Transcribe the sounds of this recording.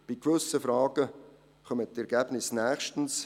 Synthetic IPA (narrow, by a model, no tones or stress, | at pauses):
b̥ikʋʏsəfɾɑːɡ̥ə | χœməttɛɾɡɛb̥nɪsnæːχʃtn̩s